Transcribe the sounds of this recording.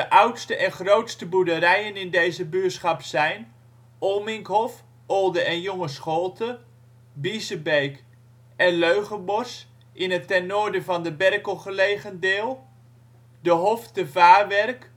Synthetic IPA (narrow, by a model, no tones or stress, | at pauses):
dəʔʌwtstəʔɛnχrowtstəbudəɾɛjənɪndejzəbyətsχɑpsɛjn | ʔoːmɪŋkɦɔf | ɔlˠdəʔɛnjɔŋəsχolˠtə | bisəbejk | ɛnløɥχənbɔrs | ʔɪnətːɛnːoːɹdəvɑndəbɛrkəlˠχəlejχəndɪːlˠ | dəɦɔftəvaːʋɛrk